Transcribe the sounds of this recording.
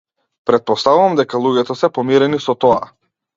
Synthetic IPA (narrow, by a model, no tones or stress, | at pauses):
pɾɛt̪̚pɔst̪avuvamd̪ɛkalˠuɟɛt̪ɔsɛpɔmiɾɛnisɔt̪ɔa̰